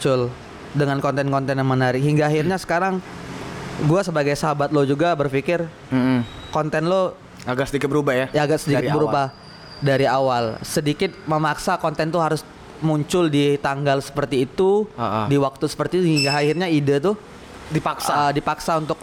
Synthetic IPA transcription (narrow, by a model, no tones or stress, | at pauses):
t͡ʃʊl | dəŋankɔnt̪ɛnkɔnt̪ɛnjaŋmənaɾɪkɦiŋɡaːhirɲasə̥kaɾaŋ | ɡuasəbaɡajsəɦabat̪̚lod͡ʒuɡabərfikɪr̩ | kɔnt̪ɛnlo | aɡasədikɪt̪̚bəɾubajajaaɡaksədikɪbəɾuba | daɾiawalsədikɪt̪̚məmaksakɔnt̪ɛnt̪uɦaɾʊs | muɲt͡ʃʊldit̪aŋɡalsə̥pərt̪iːt̪uaʔdiwak̚t̪usə̥pərt̪it̪uhɦiŋɡaːhirɲaidat̪ʊ | dipaksaədipaksaunt̪ʊk̚